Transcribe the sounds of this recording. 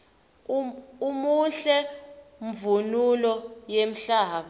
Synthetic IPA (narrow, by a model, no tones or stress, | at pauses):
umuɬɛɱvunulɔjem̩ɬaːɓɔ